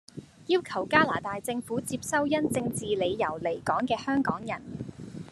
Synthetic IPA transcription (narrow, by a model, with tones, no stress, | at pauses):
jiː˥wkʰɐ˨˩wkaː˥laː˨˩t̪aː˨jt͡sɪ˧ŋfuː˨˥t͡siː˧p̚sɐ˥wjɐ˥nt͡sɪ˧ŋt͡siː˨le˨˧jjɐ˨˩wle˨˩jkɔː˨˥ŋkɛː˧hœː˥ŋkɔː˨˥ŋjɐ˨˩n